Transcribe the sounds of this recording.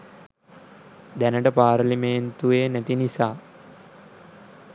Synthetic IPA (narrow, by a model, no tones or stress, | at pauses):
d̪ænəʈəpaːɾliment̪uʋeːnæt̪inisaː